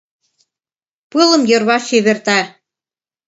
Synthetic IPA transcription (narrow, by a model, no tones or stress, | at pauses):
pɨlˠɤ̆mjŏrβɑʃeβĕrt̪æ